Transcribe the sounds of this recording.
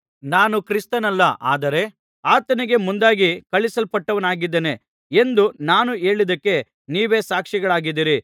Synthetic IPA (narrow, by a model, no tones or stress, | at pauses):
naːnukɾist̪ɐnɐlːɐʔa̰ːd̪ɐɾe̞ | aːt̪ɐniɡe̞mund̪aːɡikɐɭisɐlpɐʈːɐʋɐnaːɡid̪ːene̞ | e̞nd̪unaːnue̞ːɭid̪ɐkːe̞ | niːʋe̞ːsaːkʂiɡɐɭaːɡid̪ːiɾi